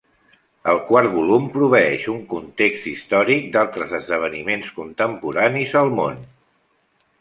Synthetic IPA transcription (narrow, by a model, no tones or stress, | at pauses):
əlˠkwaɾt̪̚βulumpɾuβ̞əɛʃuŋkunt̪ekst̪ist̪ɔɾik̚d̪alˠt̪ɾəzəzðəβ̞ənimenskunt̪əmpuɾanizəlˠmo̰n